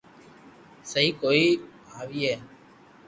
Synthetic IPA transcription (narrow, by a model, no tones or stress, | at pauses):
səɦiːkoːiː | aːʋiːɦɛː